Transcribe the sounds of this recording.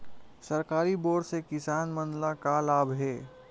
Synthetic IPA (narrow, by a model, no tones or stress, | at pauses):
səɾkaːɾiboːɽsekɪsaːnmənlakalaːbʱɦeː